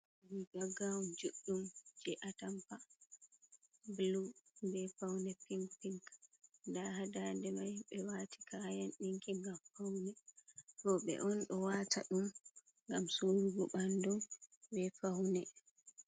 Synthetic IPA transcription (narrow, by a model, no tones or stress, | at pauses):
wiɡaɡawumd͡ʒuɗːumd͡ʒɛʔatampa | blubɛfawnɛpiŋpiŋkndahadandɛmajɓɛwaːti̥kʰajanɗiŋkiŋɡamfawnɛkɔɓɛ̰ʔɔnɗɔwatʰa̰ɗum | ŋɡamsoɾuɡɔɓandɔmbɛfawnɛ